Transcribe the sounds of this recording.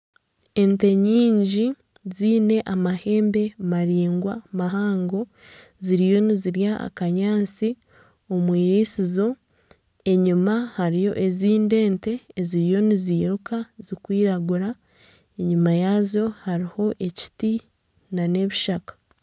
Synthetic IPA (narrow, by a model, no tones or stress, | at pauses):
e̞nte̞ɲiːɲɟi | ziːne̞ʔamahe̞ːmbe̞maɾiːŋɡwamaɦaːŋɡo̞ | ziɾijo̞niziɾjaa̰kaɲaːt͡si | omwiːɾisizo̞ | e̞ɲumahaɾijo̞̰ʔeziːnde̞ːnte̞ːziɾijo̞niziːɾukazikwiːɾaɡuɾa | e̞ɲumajaːzo̞haɾiho̞ʔe̞ci̥ti | nane̞βiʃakḁ